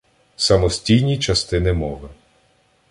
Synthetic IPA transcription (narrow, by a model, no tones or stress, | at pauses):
sɐmɔsʲtʲijnʲit͡ʃɐst̪ɪnɪmɔʋɪ